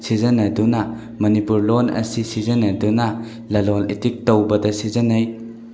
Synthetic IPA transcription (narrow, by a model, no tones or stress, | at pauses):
sizɐnɐdunɐ | mɐnipuɾlonɐ̰sisizɐnɐdunɐ | lɐlonḛtik̚towbɐdɐsizɐnɐj